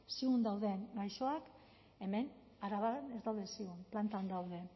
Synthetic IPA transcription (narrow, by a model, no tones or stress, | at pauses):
siɣund̪awðe̞ŋɡajʃo̞ak | e̞me̞n | aɾaβanezd̪awðe̞nsiɣunplant̪and̪awðe̞